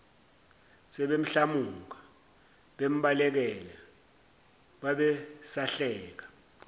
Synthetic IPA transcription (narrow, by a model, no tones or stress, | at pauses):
sɛɓem̩ɬamuka | ɓem̩ɓalɛk̬ɛlɛ | ɓaɓɛsaɬɛːk̬ḁ